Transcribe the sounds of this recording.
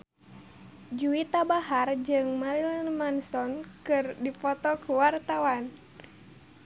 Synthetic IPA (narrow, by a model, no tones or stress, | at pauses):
d͡ʒuit̪abahard͡ʒɨŋmaɾilanmansɔnkɨrdipɔt̪ɔkuwart̪awan